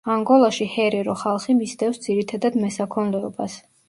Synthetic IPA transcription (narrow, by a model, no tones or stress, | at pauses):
aŋɡɔlˠaʃihɛɾɛɾɔχalˠχimisd̪ɛfsd̪z̥iɾit̪ʰad̪ad̪mɛsakʰɔnlɛɔ̰bas